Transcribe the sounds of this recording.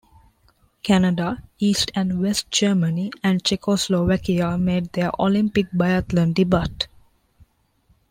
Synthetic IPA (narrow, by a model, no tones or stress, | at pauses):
kʰænəɖaiːsʈʰæ̃ɳɖʋesʈ̚d͡ʒəːməniæ̃ɳɖ̚t͡ʃekosloʋækiameːʈ̚d̪eʔolĩmpik̚baɪət̪lə̃ɳɖɖibaʈ